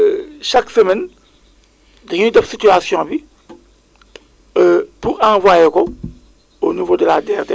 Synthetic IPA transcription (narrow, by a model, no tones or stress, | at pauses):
ʃaksəmɛn | dɐinidɐfsityasjɔ̃bi | puɾãvwajekɔ | onivoːdəladɛːrdɛ